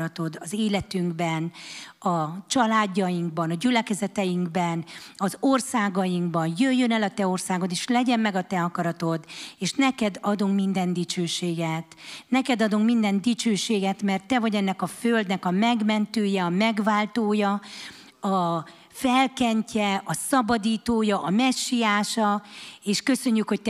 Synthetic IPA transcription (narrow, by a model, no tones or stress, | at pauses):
ɒt̪o̞d̪ɒzeːlɛt̪yŋɡbɛnɒt͡ʃɒlaːɟːɒjiŋɡ̚bɒnɒɟylɛkɛzɛt̪ɛjiŋɡbɛnɒzorsaːɡɒjiŋɡbɒnjøjːønɛlɒt̪ɛo̞rsaːɡo̞d̪eːʃlɛɟɛmmɛɡɒt̪ɛɒkɒɾɒt̪o̞d̪eːʃnɛkɛd̪ɒd̪uŋkmind̪ɛnd̪it͡ʃøːʃeːɡɛt̪nɛkɛd̪ɒd̪uŋkmind̪ɛnd̪it͡ʃøːʃeːɡɛt̪mɛrt̪ːɛvɒɟɛnːɛkɒføld̪nɛkɒmɛɡmɛnt̪øːjɛɒmɛɡvaːlt̪oːjɒ | ɒ | fɛlkɛɲcɛɒsɒbɒd̪iːt̪oːjɒʔɒmɛʃːijaːʃɒeːʃkø̞sø̞ɲːykho̞c̚t̪